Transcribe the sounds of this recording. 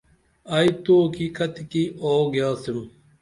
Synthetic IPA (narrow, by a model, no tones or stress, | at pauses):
ɐit̪oːkikʰɐt̪ikioːɡjaːsim